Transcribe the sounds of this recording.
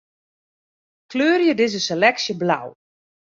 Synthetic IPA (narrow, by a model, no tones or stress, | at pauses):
kløːrjədɪzəselɛksjəbla̰w